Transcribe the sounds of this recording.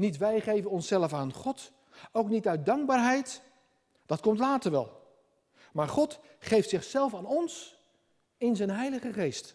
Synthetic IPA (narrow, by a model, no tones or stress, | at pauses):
nitʋɛjχejvənɔnsɛləfaːnχɔt | owknitœɥt̚dɑŋɡ̚baːɹɦɛjt | d̥ɑtkɔmtlaːtəɹʋɛ̰lˠ | maːɹχɔt | χejftsɪχsɛlˠfaːnɔns | ɪnzɛjnɦɛjləχəχejst